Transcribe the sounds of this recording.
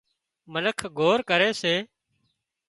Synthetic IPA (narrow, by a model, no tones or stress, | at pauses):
mənəkʰɡʱoːɾkəɾeːseː